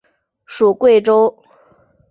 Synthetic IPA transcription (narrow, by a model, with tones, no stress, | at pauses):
ʂu˨˩kwe˥˩ɪʈ͡ʂo˥ʊ